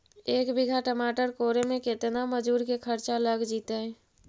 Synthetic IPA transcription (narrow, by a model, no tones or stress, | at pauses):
ekbʱiɡʱaʈəmaʈəɾkoɾemeket̪naməd͡ʒuɾkekʰəɾt͡ʃaləɡd͡ʒit̪ə